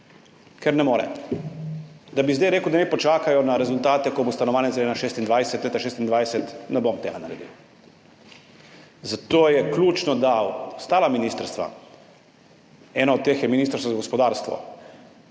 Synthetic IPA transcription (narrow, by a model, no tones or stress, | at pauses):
kɛɾnɛmoːɾɛ̰ | d̪abizd̪ajɾeːkwd̪anɛpɔt͡ʃaːkajɔnaɾɛzʊlt̪aːt̪ɛkɔbost̪anɔʋaːnjɛzled̪naʃeːst̪ind̪ʋajsɛt̪let̪aʃeːst̪ind̪ʋajsɛt̪nɛbomt̪eːɡanaɾɛ̰d̪ḭw | zat̪oːjɛkluːt͡ʃnɔd̪awst̪aːlaminiːst̪əɾst̪ʋa̰ | ɛːnɔɔd̪̚t̪ːeːxjɛminist̪ɾst̪azaɡɔspɔd̪aːɾst̪ʋɔ̰